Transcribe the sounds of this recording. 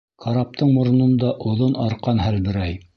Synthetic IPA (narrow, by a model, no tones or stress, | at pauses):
kʰɑɾɑp̚t̪ɤɴmŏɾ̆nɤ̆nd̪ɑʔŏðonɑɾqɑnɦælbɘ̆ɾæj